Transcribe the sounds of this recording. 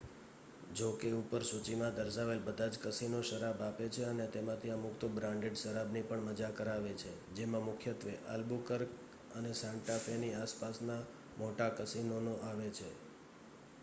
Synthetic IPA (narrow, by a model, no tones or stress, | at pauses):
d͡ʒokeupəɾsut͡ʃimãd̪əɾsaʋelbəd̪ʱad͡ʒkəsinoʃəɾabapet͡ʃʰeənet̪emãt̪ʰiəmʊkt̪obɾãɳɖeɖʃəɾabnipəɳməd͡ʒakəɾaʋet͡ʃʰed͡ʒemãmʊkʰjət̪ʋeʔa̰lbukəɾk | ənesãɳʈafeniaspasna | moʈakəsinonoʔaʋet͡ʃʰe